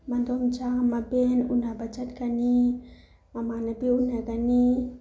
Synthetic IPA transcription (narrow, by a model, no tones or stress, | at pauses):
mand̪ɔmt͡ʃaŋmabɛnunabat͡ʃat̪kani | mamanabiunakani